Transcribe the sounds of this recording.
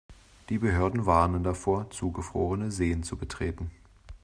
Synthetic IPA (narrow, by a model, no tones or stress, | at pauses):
d̥iːbəɦøːɐdn̩vaɐnəndafoːɐt͡suːɡəfʁ̥o̰ːʁənəzeːənt͡subətʁ̥eːtn̩